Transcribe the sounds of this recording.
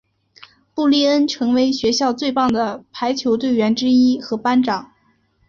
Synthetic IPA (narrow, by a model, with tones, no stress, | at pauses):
pu˥˩li˥˩ə˥nʈ͡ʂʰɤ˧˥ŋwe˧˥ɪɕɥɛ˧˥ɕjɑ˥˧ʊt͡swe˥˧ɪpɑ˥˩ŋd̪ə˩pʰa˧˥ɪt͡ɕʰjo˧˥ʊt̪we˥˩ɪɥɛ˧˥nʈ͡ʂɻ̩˥i˥xɤ˧˥pa˥nʈ͡ʂɑ˨˩˦ŋ